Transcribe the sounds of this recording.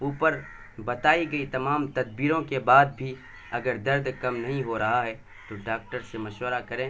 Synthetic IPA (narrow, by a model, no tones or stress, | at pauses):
uːpəɾ | bɐt̪aːiɡɐit̪ɐmaːmt̪ɐd̪biːɾõkebaːd̪̚bʱi | ɐɡəɾd̪ɐɾd̪kɐmnɐɦĩɦoɾɐɦaɦɛː | t̪oɖaːk̚ʈəɾsemɐʃwəɾakɐɾẽ